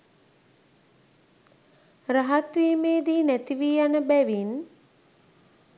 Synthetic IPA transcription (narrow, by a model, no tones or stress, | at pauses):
raɦat̪ʋiːmeːd̪iːnæt̪iʋiːjanəbæʋin